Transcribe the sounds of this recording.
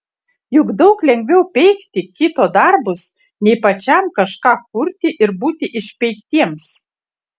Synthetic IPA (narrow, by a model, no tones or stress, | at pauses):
jʊɡd̪ɒʊklʲɛŋʲɡʲʋʲɛʊpʲɛɪkt̪ʲɪkʲɪt̪oːd̪ɑɾbʊs | nʲɛɪpɐt͡ʃʲɛmkɐʃkɑːkʊɾʲt̪ʲɪʔɪɾbuːt̪ʲɪʔɪʃʲpʲɛɪkt̪ʲiɛms